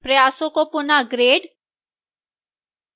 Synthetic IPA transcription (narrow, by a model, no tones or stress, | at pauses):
pɾəjaːsõkopʊnaɡɾeːɖ